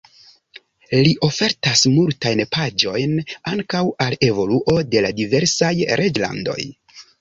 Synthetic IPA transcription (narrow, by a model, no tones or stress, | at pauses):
liʔo̞fe̞ɾtasmultajnpad͡ʒo̞jnaŋkawale̞vo̞luʔo̞de̞ladive̞ɾsajɾʔe̞d͡ʒla̰ndo̞̰j